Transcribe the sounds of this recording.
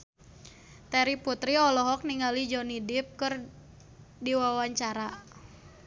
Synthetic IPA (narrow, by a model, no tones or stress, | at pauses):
t̪ɛɾiput̪ɾiɔlɔɦɔk̚niŋalid͡ʒɔnidɪp̚kɨr | diwawaɲt͡ʃaɾa